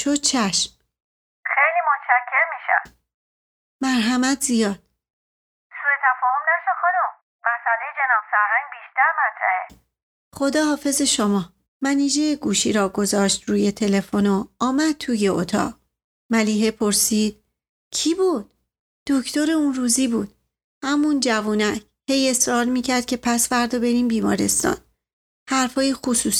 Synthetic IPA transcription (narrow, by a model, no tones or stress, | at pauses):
ʃod̪̚t͡ʃʰæʃm | xejliːmot̪ʃæcʰːeɾmiːʃæ̰ | mæɾɦæmæt̪ʰzijɒːd̪̥ | suet̪ʰæfɒːhomnæʃoxod̪um | mæsælejed͡ʒenɒːbfæɾhæŋɡbiːʃt̪æɾmæt̪ʰɾæ̰ʔe | χo̞d̪ɒːhɒːfe̞ze̞ʃo̞mɒː | mæniːd͡ʒejeɡuːʃiːɾɒːɡo̞zɒːʃt̪ɾuːje̞t̪ʰe̞le̞fo̞noːmæd̪̚t̪ʰuːje̞ot̪ʰɒ̰ːʁ | mæliːɦepʰo̞ɾsiːd̪̥̚ | cʰiːbuːd̪̥̚ | d̪̥ocʰt̪o̞ɾe̞unruːziːbuːd̪̥ | hæmund͡ʒævuːnæcʰ | he̞je̞sɾɒːɾmiːcʰæɾd̪̥̚cʰe̞pʰæsfæɾd̪ɒbe̞ɾiːmbiːmɒ̰ːɾe̞̰st̪ɒ̰ːn | hæɾfɒːjexusuːs